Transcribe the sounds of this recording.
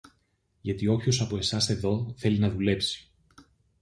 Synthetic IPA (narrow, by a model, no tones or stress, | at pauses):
ʝɐt̪io̞pço̞sɐpo̞e̞sɐse̞ðo̞θe̞linɐðule̞psi̥